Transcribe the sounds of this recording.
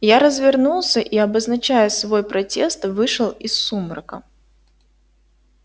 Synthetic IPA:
jaɾəzvʲɪrnulˠsʲəʔiɐbəznɐt͡ɕæjəsvo̞jpɾɐtʲest̪vɨʂɨlˠɪsːuməɾəkə

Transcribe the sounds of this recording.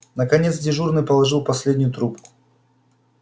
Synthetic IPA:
nəkɐnʲet̪s̬dʲɪʐurnɨjpəlˠɐʐɨlˠpɐsʲlʲedʲnʲʊjʊt̪ɾupkʊ̥

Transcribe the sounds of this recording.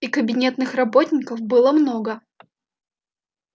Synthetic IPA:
ikəbʲɪnʲe̞t̪nɨxrɐbot̪ʲnʲɪkəfbɨlˠəmno̞ɡə

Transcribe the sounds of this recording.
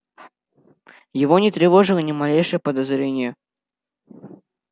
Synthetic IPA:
jɪvɔnʲɪt̪ɾʲɪvɔʐɨlʲˠənʲɪmalʲejʂɨjəpɐd̪azɾʲenʲɪjə

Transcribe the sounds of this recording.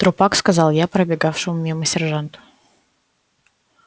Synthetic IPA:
t̪ɾʊpakskɐzɑlˠjapɾəbʲɪɡafʂɨmʊmʲɪməsʲɪrʐant̪ʊ̥

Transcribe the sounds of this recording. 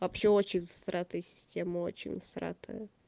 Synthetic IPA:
vɐpɕːeot͡ɕɪnʲvɨst̪ɾat̪əjəsʲɪ̥sʲtʲeməo̰t͡ɕɪ̰nʲvɨst̪ɾa̰t̪ʰə̰jə

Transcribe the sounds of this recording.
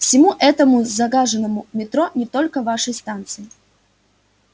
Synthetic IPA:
fsʲɪmuʔɛt̪əmʊzɐɡaʐɨnəmʊmʲɪt̪ɾonʲɪt̪o̞lʲkəvaʂəjst̪ant̪sɨɪ

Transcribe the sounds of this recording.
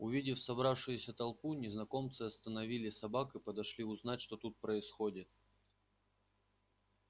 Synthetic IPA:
ʊvʲidʲɪfsɐbɾafʂɨjʊsʲət̪ɐlˠpunʲɪznɐko̞mt̪sɨɐst̪ənɐvʲilʲɪsɐbakɨpəd̪ɐʂlʲiʊznatʲʂt̪ot̪ut̪̚pɾəɪsxodʲɪt̪̚

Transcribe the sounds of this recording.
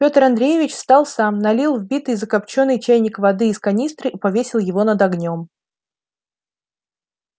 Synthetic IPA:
pʲo̞t̪əɾɐnd̪ɾʲejɪvʲɪt͡ɕst̪ɑlˠsamnɐlʲilˠvbʲit̪ɨjzəkɐpt͡ɕo̞nːɨjt͡ɕæjnʲɪkvɐd̪ɨːskɐnʲist̪ɾɨipɐvʲesʲɪlˠjɪvo̞nəd̪ɐɡnʲo̞m

